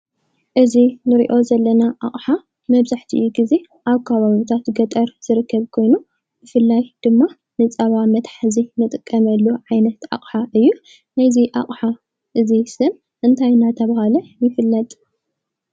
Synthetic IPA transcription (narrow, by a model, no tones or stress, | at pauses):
ʔɨzinɨɾḭʔo̞zɐlːɐnaʔaχʼħa | mɐβzaħt̪ʰiʔɨjuɡize̞ | ʔaβkʰaβaβit̪ʰat̪ɡɐt̪ʼɐɾz̥ɨɾɨkːɐβkʰo̞jnu | b̥ɨfɨlːajd̪̥ɨmːa | nɨt͡sʼɐβamɐt̪ħazinɨt̪ʼɨkʼːɐmɐlːuʕajnɐt̪a̰χʼħaʔɨjːu | najziʔa̰χʼħa | ʔɨzisɨm | ʔɨnt̪ʰajnat̪ʰɐβahalɐjɪfɨlːɐt̪ʼ